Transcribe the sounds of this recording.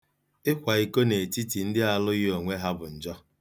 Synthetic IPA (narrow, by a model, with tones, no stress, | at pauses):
ɪ˦kʷa˨i˨ko˦ne˨ti˦ti˨n̩˦dɪ˦a˨lʊ˦ɣɪ˦o˨ŋʷe˦ɦa˦bʊ˨n̩˨d͡ʒɔ˦